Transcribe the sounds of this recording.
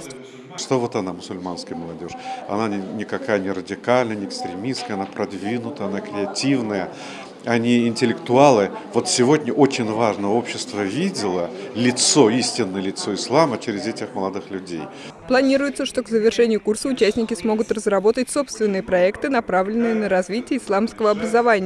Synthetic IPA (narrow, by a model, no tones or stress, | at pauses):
ʂt̪ovot̪ɐnamʊsʊlʲmanskəjməlˠɐdʲo̞ʂɐ̰nanʲɪnʲɪkɐkajənʲɪrədʲɪkalʲnəjnʲɪɪkst̪ɾʲɪmʲiskəjɐnapɾɐd̪vʲinʊt̪əɐnakɾʲɪɐtʲivnəjə | ɐnʲiɪnʲtʲɪlʲɪkt̪ʊalˠɨvo̞t̪sʲɪvo̞dʲnʲəʔo̞t͡ɕɪnʲvaʐnəəo̞pɕːɪst̪vəvʲidʲɪlˠəlʲɪt̪so̞isʲtʲɪnːəjəlʲɪt̪so̞ɪslˠamət͡ɕeɾʲɪzʲɛtʲɪxməlˠɐd̪ɨxlʲʉdʲḛj | plˠɐnʲiɾʊjɪt̪səʂt̪okzəvʲɪrʂɛnʲɪjʊkursəʊt͡ɕæsʲnʲɪkʲɪsmo̞ɡʊt̪rəzrɐbo̞t̪ətʲso̞pst̪vʲɪnːɨjəpɾɐɛkt̪ɨnɐpɾavlʲɪnːɨjənəɾɐzvʲitʲɪjəɪslˠamskəvəɐbɾəzɐvanʲɪjə